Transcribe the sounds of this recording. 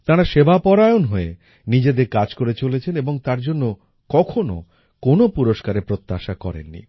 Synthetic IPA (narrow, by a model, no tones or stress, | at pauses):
t̪aɾaʃebapɔɾajonɦoe | nid͡ʑed̪eɾkad͡ʑkoɾet͡ɕolet͡ɕʰeneboŋt̪aɾd͡ʑonːo | kɔkʰono̰ | konopuɾoʃkaɾepɾot̪ːaʃakɔ̰ɾḛnːḭ